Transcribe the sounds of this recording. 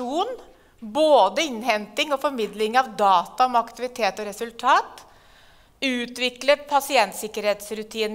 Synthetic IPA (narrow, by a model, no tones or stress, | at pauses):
uːn | boːd̪əɪnhɛnt̪ɪŋɔfɔɾmɪd̪lɪŋɑʋd̪ɑːt̪ɑɔmɑkt̪ɪʋɪt̪ʰeːt̪ɔɾɛsʉlt̪ʰɑːt̪ | ʉːt̪ʋɪkləpʰɑsɪɛnt̪sɪkːəɾheːt̪sɾʉt̪ʰiːn